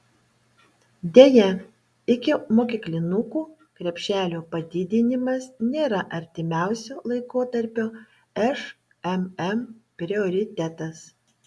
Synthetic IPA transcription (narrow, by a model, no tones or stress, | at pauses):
d̪ʲeːjɛ | ɪkʲɪmoːkʲɪklʲɪnʊkuː | kɾʲɛpʲʃʲæːlʲoːpɐd̪ʲɪd̪ʲɪnʲɪmɐsnʲeːɾɐʔɐɾʲt̪ʲɪmʲæˑʊsʲoːlˠɐɪkoːt̪ɐɾʲpʲoː | ɛʃ | ɛmɛmpʲɾʲɪoːɾʲɪt̪ʲɛt̪ɐs